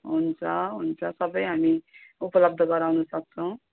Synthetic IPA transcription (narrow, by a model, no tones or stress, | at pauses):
ɦunt͡sʰʌɦunt͡sʰʌsʌbʌjɦamiupʌlʌb̚d̪ʱʌɡʌɾawnusʌk̚t͡sʰʌw̃